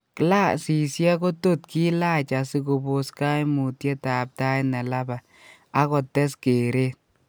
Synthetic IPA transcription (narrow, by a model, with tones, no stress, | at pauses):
kla˦si˨sja˦ko˦to˦tkʰi˦la˦t͡ʃa˨si˧ko˧bo˨ska˦jmu˨tje˦ta˨p̚ta˦jnɛ˨la˦ba˨ | a˦kɔ˨tːɛ˦skeː˨ɾe˦t̚